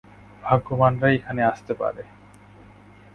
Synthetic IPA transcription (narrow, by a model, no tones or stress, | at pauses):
bʱaɡːomanɾaekʰaneaʃt̪epa̰ɾe